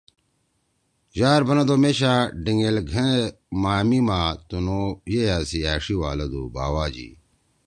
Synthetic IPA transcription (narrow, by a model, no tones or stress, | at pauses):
ʑaːɾbɐnɐd̪omeːɕaːɖiŋelɡʱẽ | maːmimaːt̪unojejaːsiaːʂiwaːlɐd̪ṵba̰ːwaːd͡ʑḭː